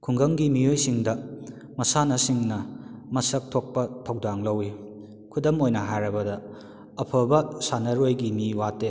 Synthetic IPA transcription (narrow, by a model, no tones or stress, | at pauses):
kʰuŋɡɐŋɡimijojsiŋdɐ | mɐsanɐsiŋnɐmɐsɐk̚tʰok̚pɐtʰɐwdaŋlɐwi | kʰudɐmojnɐɦajɾɐbɐdɐ | ɐpʰɐbɐsanɐɾojɡimiwatːe